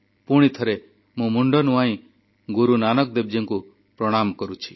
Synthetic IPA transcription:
puɽ̃it̪ʰɔɾe | mũmuɳɖɔnuaĩ | ɡuɾunanɔkd̪eb̚d͡ʒeŋku | pɾɔɽ̃amkɔɾut͡ʃʰi̥

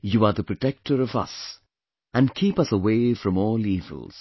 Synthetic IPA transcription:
juaɾðəpɹ̥ɨʈɛk̚ʈʰəɾʌvʌ̰s | æ̃nkʰiːpʌsəweɪfɹʌ̃mɔːliːvə̰l̩ˠz̥

